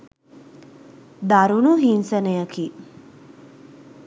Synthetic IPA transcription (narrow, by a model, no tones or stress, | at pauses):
d̪aɾunuɦinsənejəki